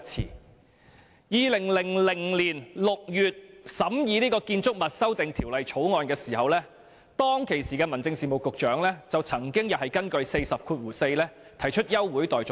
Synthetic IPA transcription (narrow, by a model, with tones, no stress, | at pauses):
t͡sʰḭː˨˩ | jiː˨˧lɪ˨˩ŋlɪ˨˩ŋlɪ˨˩ŋliː˨˩nlʊ˨k̚jyː˨t̚sɐ˨˥mjiː˨˧liː˥kɔː˧kiː˧nt͡sʊ˥k̚mɐ˨t̚sɐ˥wt̪ɪ˨ŋt̪ʰiː˨˩wlɐ˨jt͡ʃʰo˨˥wŋɔː˨˧nkɛː˧siː˨˩hɐ˨wlɛː˥ | t̪ɔː˥ŋkʰe˨˩jsiː˨˩kɛː˧mɐ˨˩nt͡sɪ˧ŋsiː˨˩mo˨wkʊ˨k̚t͡ʃœː˨˥ŋlɛː˥t͡sɐ˨wt͡sʰɐ˨˩ŋkɪ˥ŋjɐ˨˩hɐ˨jkɐ˥nkɵ˧ɥse˧jsɐ˨p̚kʰuː˧t̚wuː˨˩se˧jlɛː˥ | t̪ʰɐ˨˩jt͡ʃʰɵ˥t̚jɐ˥wːuː˨˥jt̪ɔː˨˩jt͡ʃʊ˨